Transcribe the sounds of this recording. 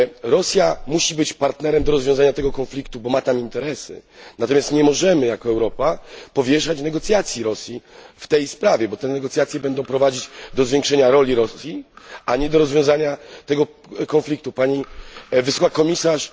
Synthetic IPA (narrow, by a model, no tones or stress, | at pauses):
ɾɔsʲjamuɕibɘt͡ɕpaɾt̪nɛɾɛmd̪ɔɾɔzvʲjɔ̃zaɲat̪ɛɡɔkɔnflʲikt̪ubɔmat̪amint̪ɛɾɛsɘ̰nat̪ɔmʲjast̪ɲɛmɔʐɛmɘjakɔɛwɾɔpapɔvʲjɛʂat͡ɕnɛɡɔt̪sʲjat̪sʲjiɾɔsʲjift̪ɛjspɾavʲjɛbɔt̪ɛnɛɡɔt̪sʲjat̪sʲjɛbɛnd̪ɔ̃w̃pɾɔvad͡ʑid͡ʑd̪ɔzvʲjɛŋkʂɛɲaɾɔlʲiɾɔsʲjiaɲɛd̪ɔɾɔzvʲjɔ̃w̃zaɲat̪ɛɡɔ | kɔnflʲik̚t̪upaɲivɨswɔkakɔmʲisaʂ